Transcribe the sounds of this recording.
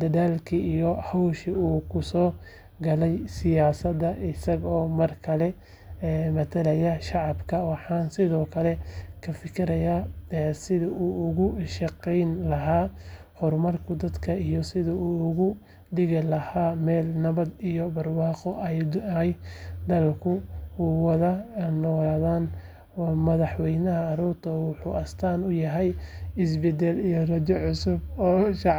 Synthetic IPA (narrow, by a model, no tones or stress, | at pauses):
d̪ɐðaːlkʰiijɔhawʃiuːkʰʊsɔː | ɡɐlɛjsɪjaːsɐd̪ɐʔɪsɐɣɔːmɐrkʰɐlɛː | mɐt̪ʰɐlɐjɐʃɑʕɑbkʰɐwɑħɑːnsɪðɔːkʰɐlɛkʰɐfɪkʰɪɾɐjaːsɪðɪʔuʊɣʊʃɑqɛjnlɐɦaː | hɔrmɐrkʰʊd̪ɐd̪kʰɐijɔsɪðɐuːɣʊ | d̪ɪɣɪlɐhaːmɛːlnɐβɐd̪ijɔbɐrwɑːqɔʔɛjd̪jd̪ɐllkʰʊuːwɐðɐnɔːlaːðaːn | mɐðɑħwɛjnɐɦɐːɾuːrt̪ʰɔwʊħuːɐst̪ʰaːnʊjɐɦɛjɪsbɛd̪ɛlijɔrɐd͡ʒɔʕʊsʊbɔːʃɑʕ